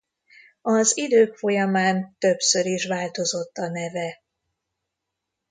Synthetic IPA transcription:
ɒzid̪øːkfo̞jɒmaːnt̪ø̞psø̞ɾiʃʋaːlt̪o̞zo̞t̪ːɒnɛvɛ

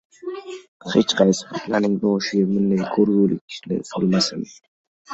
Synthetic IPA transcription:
het͡ʃqʰɑjsɪ̥pʰat̪ʰlaɾnɪŋbɒʃɪɡʲamɪnd̪ajkʰɵɾɡʲulɪ̰kʲʰʃnɪ̰solˠmasɪm

